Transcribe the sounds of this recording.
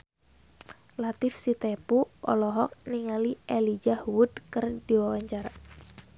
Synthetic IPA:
lat̪ɪfsit̪epuʔɔ̰lɔɦɔk̚niŋaliʔelid͡ʒahuwud̪̚kɨrd̥iwawaɲt͡ʃara

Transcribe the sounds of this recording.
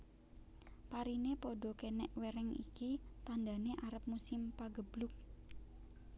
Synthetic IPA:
paɾinepoɖɔ̤kenɛʔweɾɛŋḭkit̪and̪a̤neʔaɾəp̚musɪmpaɡəb̥lʊk̚

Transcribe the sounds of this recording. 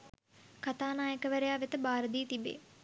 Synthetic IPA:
kat̪aːnaːjəkəʋæɾejaːʋet̪əbaːɾəd̪iːt̪ibḛː

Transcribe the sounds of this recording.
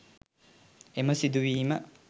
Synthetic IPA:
emɐsid̪uʋiːmɐ

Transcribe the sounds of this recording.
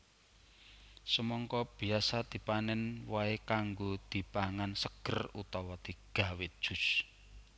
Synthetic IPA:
səmɔŋkɔb̥i̤asad̪̥i̤panɛnwaekaŋɡod̪̥i̤paŋansəɡ̥ərut̪ɔwɔd̪̥iɡ̥a̤wɪt̪̚d̥ʒ̥ṳs

